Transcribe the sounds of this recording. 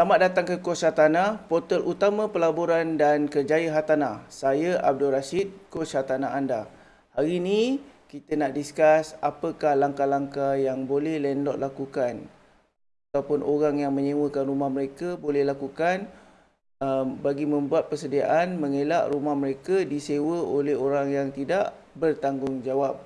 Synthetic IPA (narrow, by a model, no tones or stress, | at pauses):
lamat̪̚dat̪aŋkəkosat̪anapot̪əlʔut̪amãpəlaboɾandankərd͡ʒaəɦat̪anasajəʔab̚dulɾaʃit̪̚kosat̪anaanda | haɾinikit̪ənaʔdiskasapəkahlaŋkalaŋkajaŋbolɛhlɛnlɔʔ̪̚lakukan | at̪awpʊnʔoɾaŋjaŋmə̃ɲə̃wəkanrumahməɾekəbolɛhlakukan | əbaɡimə̃mbuat̪̚pərsədiaʔanməŋela̰ʔɾumahməɾekədisewəolɛɦoɾaŋjaŋt̪idaʔ | bərt̪aŋɡʊŋd͡ʒawap̚